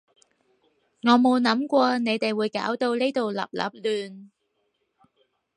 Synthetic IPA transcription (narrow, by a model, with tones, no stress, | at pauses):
ŋɔː˨˧mo˨˧wnɐ˨˥mkʷɔː˧ne˨˧jt̪e˨jwuː˨˧jkaː˨˥wt̪o˧wleː˥jt̪o˨wlɐ̰˨p̚lɐ̰˨˥p̚lyː˨n